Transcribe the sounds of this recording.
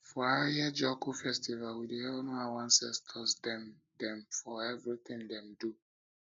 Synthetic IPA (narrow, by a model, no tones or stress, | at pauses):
fɔajɛd͡ʒɔkufɛstivalwideɛnɔawãnsɛstʰɔsdɛm | dɛ̃mfɔɛvɹiθĩndɛ̃mdu